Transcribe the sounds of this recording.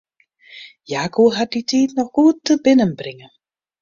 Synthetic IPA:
jaːkuːɦat̚ditiːtnɔχɡuːtːəbɪnənbrɪŋə

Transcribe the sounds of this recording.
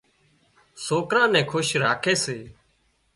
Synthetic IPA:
soːkɾãːnɛ̃ːkʰʊʃɾaːkʰeːseː

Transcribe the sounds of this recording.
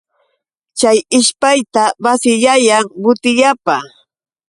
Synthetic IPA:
t͡ʃajɪʃpajt̪awasɪʎajaŋɢʊt̪ɪjapa

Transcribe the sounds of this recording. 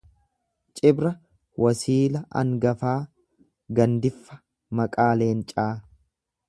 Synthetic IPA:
t͡ʃʼɪbɾɐ | wɐsiːlɐʔɐ̰ŋɡɐfaː | ɡɐnd̪ɪfːɐ̥ | mɐkʼaːle̞ːnt͡ʃʼaː

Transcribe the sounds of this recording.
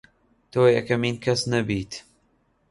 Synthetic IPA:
t̪oːeɛkɐmiːnkʰɛsnɛbiːt̪

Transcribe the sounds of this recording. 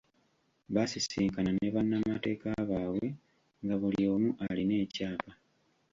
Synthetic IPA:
βasisiːŋkananeβanːamate̞ːkaβaːwe̞ | ŋɡaβuljo̞ːmuʔaline̞ːcaːpa

